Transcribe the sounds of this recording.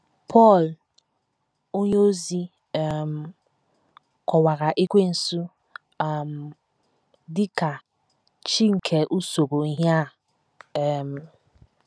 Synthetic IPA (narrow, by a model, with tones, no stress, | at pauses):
pʰɔ˦˨l | o˦ɲe˦o˦zi˦˨ | m̩˨ | kʷɔ˨wa˨ɣa˨ʔi˦kʷe˦n̩˨su˦ | a˨m̩˨ | dɪ˦ka˨ | t͡ʃi˦ŋ̩˨kʰe˨ʔu˦so˨ɡo˨i˦ɦja˦˨ | m̩˨